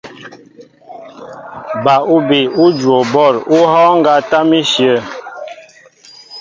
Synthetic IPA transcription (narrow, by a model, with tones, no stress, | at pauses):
ba˨u˦bi˨u˦d͡ʒwo˨bɔ˦˨ɾu˦hɔː˦ŋ˦ɡa˦ta˦mi˦ʃjə˦˨